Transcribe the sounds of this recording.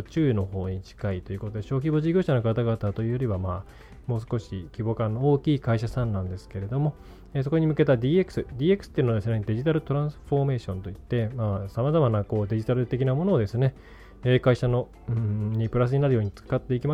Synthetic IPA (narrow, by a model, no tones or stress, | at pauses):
t͡ɕɨːino̞ɦo̞ːɲ̟it͡ɕi̥kait̪o̞jɯ̟kot̪o̞d̪e̞ɕo̞ːk̬ʲibo̞ʑiɡʲoːɕano̞kat̪aɡat̪at̪o̞jɯːjo̞ɾʲiβamaː | mo̞ːs̬ɨ̥ko̞ɕikʲibo̞ːkãnːo̞oːkʲiːkaiɕasãnːãnd̪e̞sɨ̥ke̞ɾe̞d̪o̞mo̞ | eːs̬o̞koɲ̟imɯ̟ke̞t̪ad̪ʲiːekɯ̥sɨd̪ʲiːekɯ̟sɨ̥ːeiɯ̟nodes̬ɨne̞d̪e̞ʑit̪aɾɯ̟t̪o̞ɾãɰ̃sɨ̥ɸo̞me̞ːɕõ̞nt̪o̞it̪ːe̞maːsamazamanako̞ːd̪e̞ʑit̪aɾɯ̟t̪e̞kʲinamo̞no̞ːd̪e̞sɨne̞ | eːkaiɕano | ɯ̃ɲ̟ipɯ̟ɾasɨɲ̟inaɾɯ̟joːɲ̟it͡sɨ̥kat̪ːe̞ikʲima